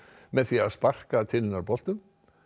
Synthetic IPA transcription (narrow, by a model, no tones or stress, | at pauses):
mɛðθiaðspar̥kat̪ʰɪlːɪnaɾpɔl̥t̪ʏm